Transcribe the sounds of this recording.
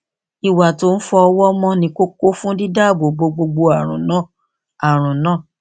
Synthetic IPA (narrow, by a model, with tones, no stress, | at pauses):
i˨wa˨to˨˦n̩˦fɔ˧ɔ˧wɔ˦mɔ̃˦nĩ˧˦ko˦ko˦fũ˦di˦da˦˨ɡ͡bo˨ɡ͡bo˧ɡ͡bo˧ɡ͡bo˧a˨ɾ̃ṵ̃˨nã˦˨ | a˨ɾ̃ũ˨nãː˦˨